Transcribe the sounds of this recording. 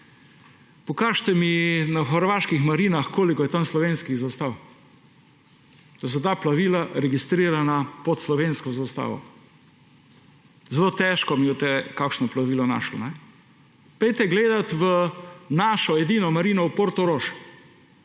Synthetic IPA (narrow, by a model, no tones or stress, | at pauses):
pɔkaːʃt̪ɛminaxəɾʋaːʃkixmaɾiːnaxkoːlikɔjɛt̪anslɔʋenskizast̪aw | d̪̥as̬ɔt̪aːplaʋiːlaɾɛɡist̪ɾiːɾanapɔt̪slɔʋenskɔzast̪a̰ːʋɔ̰ | zɛloːt̪ɛʃkɔmiot̪ɛkakʃnɔplaʋiːlɔna̰ːʃlɔ̰nɛ | pɛjt̪ɛɡleːd̪at̪ʋənaːʃɔɛd̪iːnɔmaɾiːnɔupoɾt̪oɾoːʃ